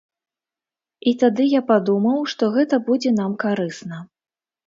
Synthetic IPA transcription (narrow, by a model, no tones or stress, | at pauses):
it̪ad̪ɨjapad̪umɐwʂt̪ɔɣɛt̪ɐbud͡zʲɛn̪amkaɾɨsnɐ